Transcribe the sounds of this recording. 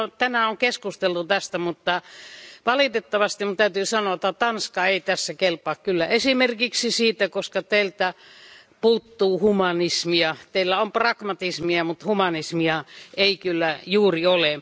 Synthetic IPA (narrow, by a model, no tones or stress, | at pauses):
t̪ænæoŋkeskust̪elt̪ut̪æst̪æmut̪ːɑʋɑlit̪et̪ːɑʋɑst̪imt̪æyt̪yːsɑnot̪ːɑt̪ɑnskɑeit̪æsːækelpɑːkkylːæesimerkiksisiːt̪ækoskɑt̪eilt̪æ | puːt̪ːuːhumɑnismiɑt̪eilːæomprɑkmɑt̪ismiɑmut̪humɑnismiɑeikylːæjuːriole